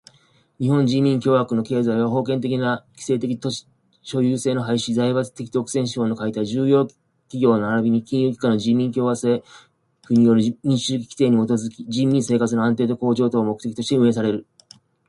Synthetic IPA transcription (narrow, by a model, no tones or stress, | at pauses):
ɲ̟ihõ̞ɲ̟d͡ʑĩmʲĩŋkʲo̞ːβakɯ̟no̞ke̞ːzaiβaɦo̞ːkẽ̞nt̪̬e̞kʲinakʲi̥se̞ːt̪e̞kʲit̪o̥ | ɕo̞jɯːse̞ːno̞ɦaiɕizaiβat͡sɨ̥t̪e̞kʲi̥t̪okɯ̟̥sẽɕi̥o̞no̞kait̪aʑɨːjo̞ː | kʲiɡʲo̞ːno̞aɾabʲiɲ̟ikʲĩjɯːkʲi̥kanoʑĩːmʲĩŋkʲoːβaseː | kɯ̟ɲ̟ijo̞ɾɯ̟ɲĩɕɨːkʲi̥kʲi̥t̪e̞ːɲ̟imot̪o̞zɨkʲid͡ʑĩmːʲĩɰse̞ːkat͡sɨnoãnt̪e̞ːt̪o̞ko̞ːʑo̞ːt̪oːmo̞kɯ̟̥e̞kʲit̪o̞ɕi̥t̪e̞ɯ̟e̞s̬aɾe̞ɾɯ̟